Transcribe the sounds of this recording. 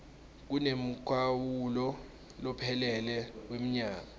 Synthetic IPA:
k̬unem̩kʰwawulɔ | lɔpʰɛlɛlɛwem̩ɲaːk̬a

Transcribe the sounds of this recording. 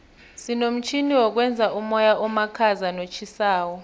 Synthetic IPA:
sinom̩t͡ʃʰiniwɔk̬wɛnd͡zʱaʔumɔjaʔɔmakʰazanot͡ʃʰisaːwɔ

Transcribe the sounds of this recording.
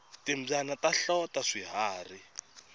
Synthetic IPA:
timb͡ʐanataɬɔtaʂiɦaːri

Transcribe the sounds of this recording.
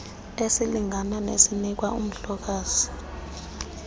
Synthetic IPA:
esiliŋʱananḛsinik̬waṵm̩ɬɔk̬aːz̥i

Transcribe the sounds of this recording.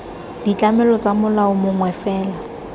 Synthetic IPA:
d̥it͡ɬʼamɛlɔt͡sʼamʊlaʊmʊŋwɛfɛːla

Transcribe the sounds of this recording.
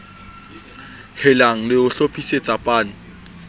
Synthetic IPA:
hɪlaŋ̩lɪʊɬopʰʼiset͡sʼapʼaːnɪ

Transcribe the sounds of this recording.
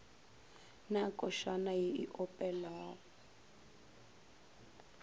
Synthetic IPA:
nakʼɔʃanajiiʔɔpʼɛla

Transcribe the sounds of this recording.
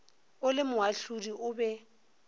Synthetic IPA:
ʊlɪmʊɦaɬudiʔʊbɛ

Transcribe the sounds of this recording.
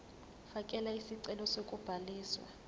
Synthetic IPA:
fakʼɛlaisiǀɛlɔsokʼub̥ʱaliːswa̰

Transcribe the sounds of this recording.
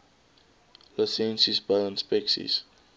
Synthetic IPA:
lɔsɛ̃nsisbalə̃nspɛksḭs

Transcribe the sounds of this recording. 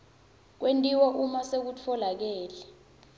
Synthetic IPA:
k̬wʔentʼiwaʔumasek̬ut͡fʰɔlak̬ɛːlɛ

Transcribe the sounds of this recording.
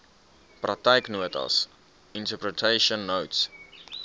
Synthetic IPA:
prak̚tajknuətʰə̰s | ĩntəpɹətʰeʃə̃nːowts

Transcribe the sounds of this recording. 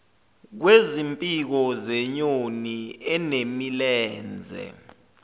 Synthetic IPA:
k̬wezimpʼik̬ɔzɛɲoniɛnemilɛːnd͡zʱɛ̰

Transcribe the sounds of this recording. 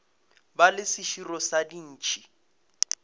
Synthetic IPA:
balɪsɪʃirɔsadin̩ːt͡ʃʰʼi̥

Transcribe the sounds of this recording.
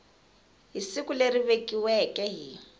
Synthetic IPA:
ɦisikuleriβekʼiwɛkʼɛɦiː

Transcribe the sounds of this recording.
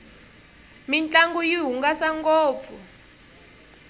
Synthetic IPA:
mint͡ɬʼaŋɡujiɦuŋɡasaŋɡɔːp̪fu

